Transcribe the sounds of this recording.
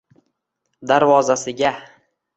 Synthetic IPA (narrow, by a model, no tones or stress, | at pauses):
d̪aɾvɒzasɪɡʲa